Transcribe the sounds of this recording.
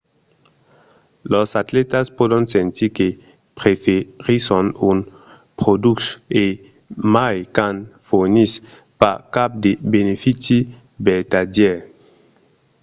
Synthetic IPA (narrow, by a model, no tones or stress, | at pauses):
losatletaspodonsentike | pɾefeʁisonun | pɾodukse | majkanfonis | pakap̚debenefit͡si | betadje